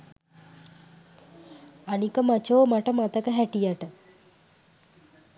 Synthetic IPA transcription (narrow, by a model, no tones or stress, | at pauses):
ɐnikɐmɐt͡ʃoːmɐʈɐmɐt̪ɐkɐɦɛʈijaʈə